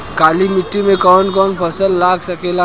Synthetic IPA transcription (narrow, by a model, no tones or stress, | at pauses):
kaːlimɪʈːimẽkɔːnkɔːnpʰɐsəlːaːksɐkeːla